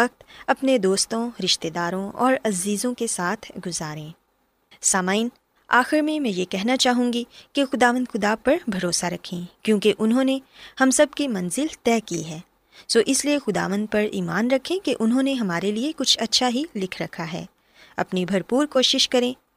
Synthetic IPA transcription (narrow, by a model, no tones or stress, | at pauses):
ɐk̚t̪ɐpned̪oːst̪õɾɪʃt̪ed̪aːɾõɔ̰ːɾɐziːzõkesaːt̪ʰɡʊzaːɾẽː | saːmaːin | a̰ːxɪɾmẽmɛ̃jekɛɦnat͡ʃaːɦũːŋɡikexʊd̪aːʋə̃nd̪xʊd̪apɐɾbʱɐɾoːsaɾɐkʰẽkjõːkeʔʊnɦõːnehɐmsɐb̚kemɐ̃nzɪlt̪ɛːkiɦɛː | soːʔɪsliexʊd̪a̰ːʋə̃nd̪̚pɐɾiːmaːnɾɐkʰẽkeʔʊnɦõneɦɐmaːɾeliekʊt͡ʃʰɐtːʃʰaɦilɪkʰɾɐkʰaɦɛ̰ː | ɐ̰pnibʱɐɾpuːɾkoːʃɪʃkɐɾẽː